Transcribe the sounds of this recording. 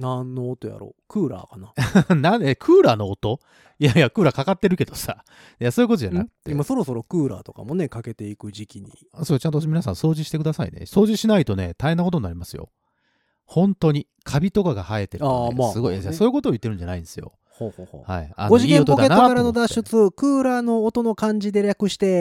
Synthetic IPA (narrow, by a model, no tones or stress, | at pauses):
nãnːoːt̪oja̰ɾo̰ːkɯ̟ːɾa̰ːkananaekʰɯ̟ːɾaːno̞ːt̪o̞ | jajakɯ̟ːɾaːkakat̪ːe̞ɾɯ̟ke̞d̪o̞sa̰ | jaso̞ːjɯko̞t̪o̞d͡ʑanakɯ̥t̪ːemaso̞ɾo̞so̞ɾo̞kɯːɾa̰ːt̪o̞ka̰mone̞kake̞t̪e̞ikɯ̟ʑikʲiɲ̟ḭ | soːt͡ɕãnt̪̬omʲinasãso̞ːʑiɕi̥t̪e̞kɯ̟d̪asaḭne̞̰so̞ːʑiɕinait̪o̞ne̞̰t̪ahe̞nːako̞t̪o̞nːaɾʲimasɨjo̰ | hõ̞nt̪o̞ɲ̟i | kʰabʲit̪o̞kaɡahae̞t̪eɾaasɨɡo̞iaasoːjɯko̞t̪oːji̟t̪ːeɾɯ̟̃ɲ̟d͡ʑanaĩnd̪esɨjo̞̰ | hohoːho̰ha̰ia̰nɡoʑiɡẽp̪t̪opod̪eaaɾano̞d̪aɕɨt͡sɨkɯːɾaːno̞ːt̪o̞no̞kãɲ̟d͡ʑid̪e̞ɾʲakɯ̟ɕi̥t̪e̞